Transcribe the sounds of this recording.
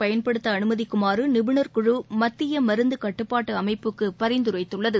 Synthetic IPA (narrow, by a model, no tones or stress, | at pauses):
pɐjɐnpɐɽɯt̪ːɐːnɯmɐðikːʊmaːɾɯnɪbɯɳɐɾkʊɻumɐt̪ːɪjɐmɐɾɯnd̪ɯkɐʈːɯpːaːʈːɯɐmɐɪpːɯkːɯpɐɾɪnd̪ɯɾɐɪt̪ːɯɭːɐðɯ